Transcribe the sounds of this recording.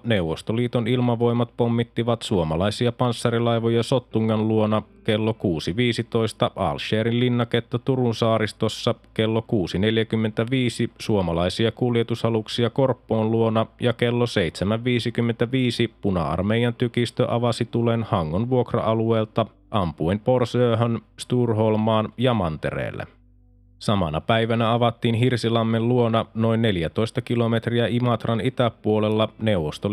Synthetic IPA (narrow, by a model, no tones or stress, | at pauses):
neuwʋːost̪oliːt̪onilmɑʋo̞jmɑt̪pomːit̪ːiʋɑt̪suomɑlɑisiɑpɑnsːɑɾilɑjʋojɑso̞t̪ːuŋːɑnluonɑkelːokuːsiʋiːsit̪o̞ist̪ɑʔɑ̰lʃeːɾillinːɑket̪ːøt̪uɾunsɑːɾist̪osːɑke̞lːokuːsine̞ljækymːent̪æʋiːsisuomɑlɑisiɑkuljet̪usɑluksiɑko̞rpːoːnluonɑjɑkelːoseit̪semæʋʋiːsikymːent̪æʋiːsipunɑ̰ɑ̰rmejɑnt̪ykist̪ø̰ʔɑʋɑsit̪ulenhɑŋːonʋuokrɑ̰ʔɑlueːlt̪ɑ | ʔɑmpuempo̞rsøːɦønst̪uːrɦolmɑːnjɑmɑnt̪e̞̰ɾḛːlːḛ | sɑmɑ̰nɑ̰pæjʋænæɑʋɑt̪ːiːnɦirsilɑmːelluo̞nɑno̞jnːe̞ljæt̪o̞jst̪ɑkilo̞me̞t̪riæʔimɑt̪rɑnit̪æpːuolelːɑne̞uwʋost̪o